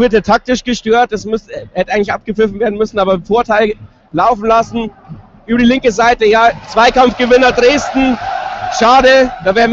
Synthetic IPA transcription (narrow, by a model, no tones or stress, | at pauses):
vɪɐteːtʰak̚tɪʃɡ̥əʃtøːɐt̚dɛsmʏstːhɛtəaɪɡŋ̩tɪçʔap̚ɡ̥əfɪfn̩veːɐdn̩mʏsn̩aːbɐfoːɐtʰaɪl | laʊfn̩lasn̩ | ʔyːbɐdiːlɪŋkəzaɪtəjaːt͡sv̥aɪkamfɡ̥əvɪnɐdʁeːstn̩ʃaːdəd̥aːveːʁn